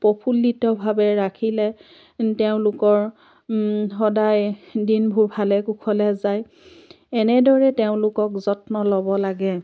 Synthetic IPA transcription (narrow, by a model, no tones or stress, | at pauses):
pɔpʰulːitɔbʱabɛɹakʰilɛ | teʊ̃lʊkɔɹ | xɔdajdinbʱuɹbʱalɛkukʰɔlɛzaj | ɛnɛdɔɹɛteʊ̃lʊkɔkzɔtnɔlɔbɔlaɡɛ